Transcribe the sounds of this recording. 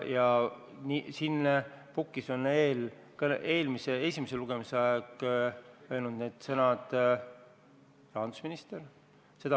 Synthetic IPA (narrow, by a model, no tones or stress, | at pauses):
jɑ | nisinːpukːˑiso̞neːl | kɑe̞ːlmisee̞sʲimese̞luɡ̥e̞miseɑeɡ̥ | ø̞ːlnud̪̥neːd̪̥sɤnɑd̪̥ | prɑnd̪̥usminist̪e̞ɾ | se̞d̪ɑ